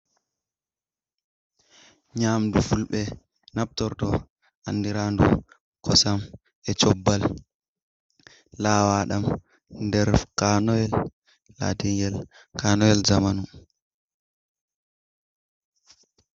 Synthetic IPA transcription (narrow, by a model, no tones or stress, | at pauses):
ɲaːmdufulɓɛ | nap̚tɔɾtɔ | ʔanːdiɾandṵ | kɔsam | ɛt͡ʃɔbːal | aːwaɗam | ndɛɾkanɔjɛlː | a̰tiŋɡɛlkanɔjɛlzamanu